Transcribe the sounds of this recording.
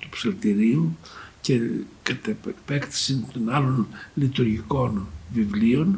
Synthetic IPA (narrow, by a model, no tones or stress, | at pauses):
t̪u̥pselt̪iɾiucekɐt̪epekt̪i̥sint̪o̞nɐlo̞nlit̪uɾʝiko̞nvivlio̞n